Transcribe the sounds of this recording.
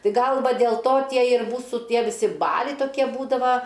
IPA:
ˈtɐɪ ˈɡɐlˠ ˈʋɐ dʲeːlˠ ˈtoː ˈtʲiɛ ɪr ˈmuːsuː ˈtʲiɛ ʋʲɪˈsʲɪ ˈbɑːlʲɛɪ toːˈkʲiɛ ˈbuːdɐʋɐ

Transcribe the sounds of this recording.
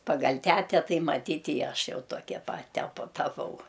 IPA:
pɐˈɡɐlʲ ˈtʲæːtʲɛ ˈtɐɪ mɐˈtʲiːtʲ ɪ ˈɐʃ ˈjɛʊ ˈtoːkʲɛ pɐt tʲɛˈpʊ tɐˈpɐʊ

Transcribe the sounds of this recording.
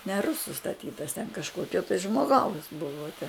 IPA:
nʲɛ ˈrʊsʊ stɐˈtʲiːtɐs tʲɛn kɐʃˈkoːkʲoː tɐɪ ʒmoːˈɡɐʊs ˈbʊʋoː tʲɛ

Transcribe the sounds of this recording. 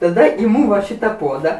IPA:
tɐˈdɐ ɪˈmuː ʋɐ ˈʃʲɪtɐ ˈpuɔdɐ

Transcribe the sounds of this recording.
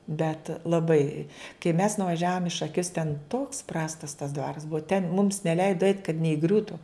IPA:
bʲɛt lˠɐˈbɐɪ kɐɪ mʲɛs nʊʋɐˈʒʲæːʋoːm ɪ ʃɐˈkʲʊs tʲɛn toːks ˈprɑːstɐs tɐs ˈdʋɑːrɐs ˈbʊɐ tʲɛn mʊms nʲɛˈlʲɛɪdoː ɛɪt kɐt nʲɛɪˈɡrʲuːtʊ

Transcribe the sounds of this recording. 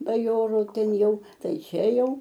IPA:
bɐˈjoːruː ˈtʲɛn ˈjɛʊ ˈtɐɪ ˈt͡ʃʲɛ ˈjɛʊ

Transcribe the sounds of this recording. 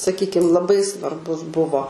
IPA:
sɐˈkʲiːkʲɪm lˠɐˈbɐɪ sʋɐrˈbʊs ˈbʊʋoː

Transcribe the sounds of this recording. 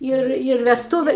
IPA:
ˈɪr ɪr ʋʲɛsˈtuːʋʲɛ

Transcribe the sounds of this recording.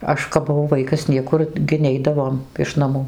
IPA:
ˈɐʃ kɐp bʊˈʋɐʊ ˈʋɐɪkɐs ˈnʲiɛkʊr ɡʲɪ ˈnʲɛɪdɐʋoːm ɪʃ nɐˈmuː

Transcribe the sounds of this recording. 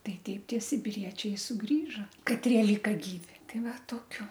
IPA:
ˈtɐɪ ˈtʲɛɪp ˈtʲiɛ sʲɪbʲɪˈrʲiɛt͡ʃʲɛɪ sʊˈɡrʲiːʒoː kɐˈtʲrʲiɛ ˈlʲiːkɐ ˈɡʲiːʋʲɪ ˈtɐɪ ˈʋɐ toːkʲʊ

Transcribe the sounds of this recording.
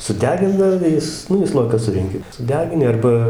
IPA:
sʊˈdʲæːɡʲɪndɐʋoː ˈjɪs ˈnʊ iː ˈslˠoːjɪkɑː ˈsʊrʲɛŋʲkʲɪ sʊˈdʲæːɡʲɪnʲɪ ˈɐrbɐ

